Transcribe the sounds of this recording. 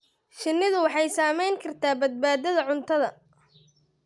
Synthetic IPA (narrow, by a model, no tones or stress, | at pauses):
ʃɪnːɪðʊwɑħɑjsaːmɛjŋkʰɐrt̪ʰaːbɐd̪̚baːd̪ɐðɐʕʊnt̪ʰɐðɐ